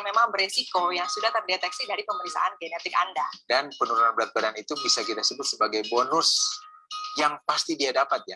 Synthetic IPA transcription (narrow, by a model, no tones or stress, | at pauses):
memaŋbəɾesikojaŋsudaht̪ərdet̪ɛksidaɾipəməɾisa̰ʔanɡenɛt̪ɪkandadanpənuɾunanbəɾat̪̚bəɾanit̪ubisakit̪asəbʊt̪səbaɡajbonʊs | jaŋpast̪idiadapat̪̚ja